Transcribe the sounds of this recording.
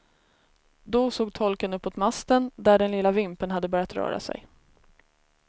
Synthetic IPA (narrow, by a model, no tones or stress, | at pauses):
d̪ɔsoːɡ̚t̪ʰɔlkənɵpːoːt̪mast̪ənd̪æɖɛnlɪlːavɪmpənɦad̪ːəbœːɾjat̪ɾœ̰ːɾa̰sɛ̰j